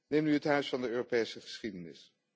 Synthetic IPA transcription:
nejmnyɦətɦœɥsfɑndəøːropejsəχə̥sχidənɪ̰s

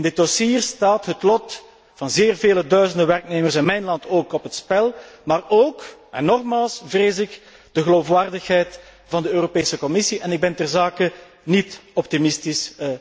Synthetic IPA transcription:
ɪndɪt̚dɔsiːrstaːtɦətlɔt | vɑnzeːrveːlədœɥzəndəʋɛrkneːmərsɪnmɛjnlɑntoːkɔpɦətspɛlˠmaːroːka̰nɔxmaːlˠsvreːzɪk | d̥əɣəloːfʋaːrdəxɦɛjt | vɑndəøːɾopeːsəkɔmɪsiʔɛnɪɡ̚bɛntɛrzaːkə | nitɔp̚timɪstɪs

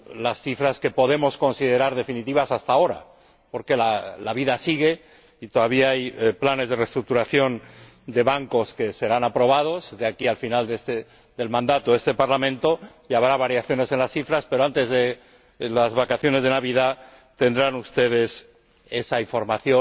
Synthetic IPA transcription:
lasθifɾaske̞po̞ðe̞mo̞sko̞nsiðe̞ɾaɾð̞e̞finit̪iβasast̪ao̞ɾa̰ | po̞ɾke̞lalaβ̞iðasiɣ̞e̞ | it̪oðaβiaajplane̞zðe̞re̞st̪ɾuk̚t̪uɾaθjo̞n | d̪e̞βaŋko̞ske̞se̞ɾanapɾo̞β̞að̞o̞zðeakialfinald̪est̪e | d̪e̞lmãnd̪at̪oe̞st̪e̞paɾlamẽnt̪o̞ | jaβɾaβ̞aɾjaθjo̞ne̞se̞nlasθifɾaspe̞ɾo̞ant̪e̞zðe | lazβakaθjo̞ne̞zðe̞naβiða | t̪e̞nd̪ɾanust̪e̞ð̞e̞s | e̞saiɱfo̞ɾmaθjo

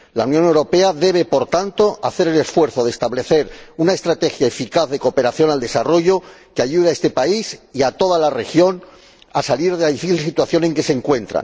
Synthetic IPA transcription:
la̰unjonewɾo̞pe̞aðe̞β̞e̞po̞ɾt̪ant̪o̞aθe̞ɾe̞le̞sfwe̞ɾθo̞ðest̪aβle̞θe̞ɾunae̞st̪ɾat̪e̞xjae̞fikaððe̞ko̞pe̞ɾaθjo̞nald̪e̞saro̞ʝo̞keaʝuðeae̞st̪e̞paisiat̪o̞ðalare̞xjo̞n | asaliɾðelaðifiθils̬it̪waθjo̞ne̞ŋke̞se̞ŋkwẽ̞nt̪ɾa̰n

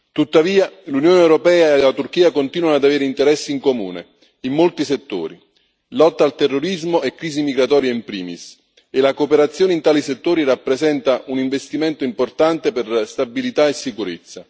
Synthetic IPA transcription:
t̪ut̪ːaviːalunjoːneɛwɾopɛːaelat̪urk̟iːakont̪iːnwanoad̪aveːɾeint̪eɾɛsːiiŋkomṵːnḛ | imːolt̪iset̪ːo̰ːɾi | lɔt̪ːalt̪erːoɾizmoɛkːɾiːzimiɡɾat̪ɔːɾjaimpɾḭːmḭs | elakoːpeɾat̪sːjoːneint̪aːliset̪ːoːɾirapːɾezɛnt̪aʔuniɱvest̪iment̪oimport̪ant̪eperst̪abilit̪aesːikuɾet̪sːa

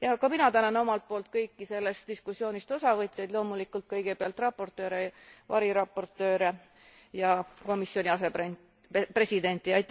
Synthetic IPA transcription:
jɑkɑminɑt̪ænɑno̞mɑlt̪̚po̞ːlt̪̚kɤjkːise̞lːest̪̚d̪iskusjo̞ːnʲist̪o̞sɑvɤt̪ʲːˑjejd̪̥lo̞ːmulikːˑult̪̚kɤjɡ̥e̞peɑlt̪rɑpːo̞rt̪ːˑø̞ːɾevɑɾiɾɑpːˑo̞rt̪ːˑø̞ːɾe | jɑko̞misːjo̞nʲiɑse̞pe | pre̞sid̪e̞nt̪ːˑiɑjt̪ːˑ

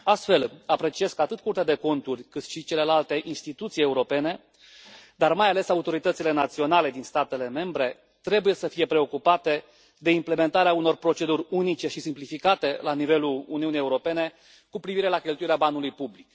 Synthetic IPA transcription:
ast̪fe̞lapɾe̞t͡ʃie̞skat̪ɨt̪̚kurt̪ad̪e̞ko̞nt̪urʲkɨt̪ʃit͡ʃe̞le̞lalt̪e̞ʔinst̪it̪ut̪sije̞uɾo̞pe̞ne̞ | d̪armajale̞saut̪o̞ɾit̪ət̪sile̞nat̪sio̞nale̞d̪inst̪at̪e̞le̞me̞mbɾe̞ | t̪ɾe̞buje̞səfije̞pɾe̞o̞kupat̪e̞ | d̪e̞imple̞me̞nt̪aɾeauno̞rpɾo̞t͡ʃe̞d̪uɾʲunit͡ʃe̞ʃisimplifikat̪e̞lanive̞luluniunijeuɾo̞pe̞ne̞ | kupɾiviɾe̞lakʲe̞lt̪uiɾeabanulujpublik

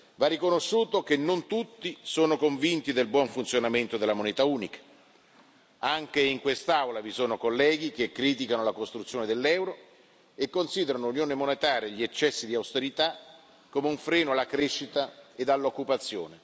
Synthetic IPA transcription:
varːikonoʃːuːt̪okenːont̪ut̪ːisoːnokoɱvint̪id̪elbwɔɱfunt̪sjonament̪od̪elamonet̪auːnikḁ | aŋk̟eiŋkwest̪awlavisoːnokolːɛːɡ̟ikekːɾiːt̪̬ikanolakost̪ɾut̪sːjoːned̪elːɛwɾo | ekːonsiːd̪eɾanounjoːnemonet̪aːɾjeʎiet͡ʃːɛsːid̪iawst̪eɾit̪a | kːomeuɱfɾɛːnoalːakɾeʃːit̪aed̪alːokːupat̪sːjoːne

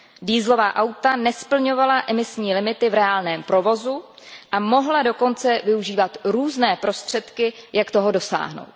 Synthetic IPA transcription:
diːzlo̞vaːʔawt̪anɛspl̩ɲo̞valaʔɛmɪsɲiːlɪmɪt̪ɪvɾɛaːlnɛːmpɾo̞vo̞zuʔamo̞ɦlado̞ko̞nt͡sɛvɪuʒiːvat̪ɾuːznɛːpɾo̞st̪r̝̥ɛt̪kɪjakt̪o̞ɦo̞do̞sa̰ːɦno̰wt̪̚

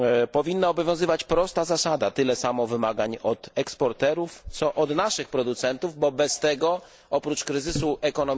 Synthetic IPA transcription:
pɔvʲinːaɔbɔvʲjɔ̃zɘvat͡ɕpɾɔst̪azasad̪at̪ɘlɛsamɔvɘmaɡaɲɔt̪ɛkspɔɾt̪ɛɾuft̪sɔʔɔd̪naʂɘxpɾɔd̪ut̪sɛnt̪uvbɔbɛst̪ɛɡɔ | ɔpɾut͡ʂkɾɘzɘsuʔɛkɔnɔm

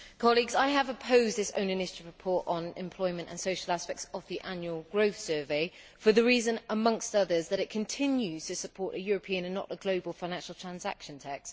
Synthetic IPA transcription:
kʰɒliɡzaɪəvəpʰəʊzðɪsə̰̃ʊ̃nɪ̃nɪʃətɪvɹɪpʰɔˑtn̩ɪ̰̃mpʰl̥ɔɪmə̃ntə̰̃nsəʊʃəlˠaspɛk̚səvðiʔãnjuəlˠɡɹəʊθsɜːveɪ | fəðəɹiːzə̃nəmʌ̃ŋkstʌðəzðəɾɪʔ̚kʰə̃ntʰɪ̃njʉz̥tʰəsəpʰɔˑtəjɔːɹəpʰĩə̃nə̃nːə̰ʔəɡləʊbəlˠfãɪ̃nãnʃəlˠtʰɹ̥ãnza̰kʃə̃ntʰɛks

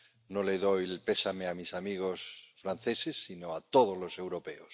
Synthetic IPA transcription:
noleðojlpe̞sameamisamiɣo̞sfɾan̟θe̞sesːinoat̪o̞ð̞ozlo̞se̞wɾope̞os

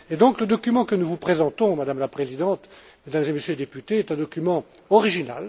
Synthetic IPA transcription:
ed̪ɔ̃kləd̪ɔkʲymɑ̃kənuvupχezɑ̃t̪ɔ̃mad̪amlapχezid̪ɑ̃t̪med̪amzeməsjøled̪epyt̪eɛt̪ɛ̃d̪ɔkʲymɑ̃ | ɔʁiʒina̰l

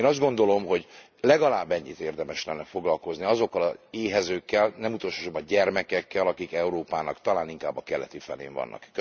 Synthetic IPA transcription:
eːnɒzd̪ɡo̞nd̪o̞lo̞mɦo̞ɟ | lɛɡɒlaːbːɛɲːit̪eːrd̪ɛmɛʃlɛnːɛfo̞ɡlɒlko̞zniɒzo̞kːɒlɒzeːɦɛzøːkːɛlnɛmut̪o̞lʃoobɒɟɛrmɛkɛkːɛlɒkikɛuɾoːpaːnɒkt̪ɒlaːniŋkaːbːɒkɛlɛt̪ifɛlḛːɱvɒ̰nːʔɒ̰kːø

